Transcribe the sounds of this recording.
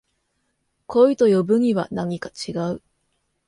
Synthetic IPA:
kʰo̞it̪o̞jo̞bɯ̟ɲ̟iβanaɲ̟ikḁt͡ɕiɡaɯ

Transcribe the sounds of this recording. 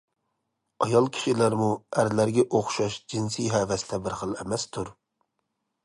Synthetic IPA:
ɑjɑlˠkʲʰi̥ʃilæɾmuæɾlæɾɡʲɛʔoχʃɑʃd͡ʒinsijɦɛːvɛst̪ʰɛbɪɾχəlˠɛmɛst̪ʰuɾ

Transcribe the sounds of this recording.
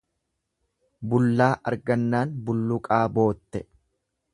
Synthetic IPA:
bʊlːaːʔɐ̰ɾɡɐnːaːnbʊlːʊkʼaːbo̞ːt̪ːɛ

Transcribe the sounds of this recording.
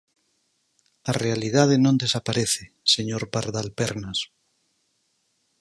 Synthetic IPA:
arealið̞að̞enõnd̪esapaɾeθe | seɲoɾpaɾðalpeɾnas

